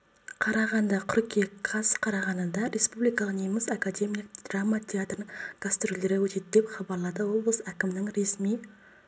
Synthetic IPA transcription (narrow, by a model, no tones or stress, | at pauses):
qʰɑɾɑʁɑnd̪ɑqʰʏɾkʲekʰɑsqʰɑɾɑʁɑnənd̪ɑɾe̞spublijkɑlˠəqneməsakad̪e̞mijlək̚d̪ramːat̪ʲʰeat̪rənəŋɡ̥ast̪ɾolʲˠeɾɪwɵt̪ed̪ɪd̪e̞pχɑbɑɾlˠɑd̪əwo̞blˠəsækʲɪmnɪŋɾe̞smij